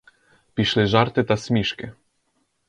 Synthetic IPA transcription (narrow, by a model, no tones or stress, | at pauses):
pʲiʃlɘʒaɾt̪ɘt̪asʲmʲiʃkɪ